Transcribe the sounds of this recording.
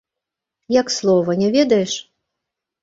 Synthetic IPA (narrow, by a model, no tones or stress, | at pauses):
jakslˠɔvɐnʲɛvʲɛd̪ɐjɛʂ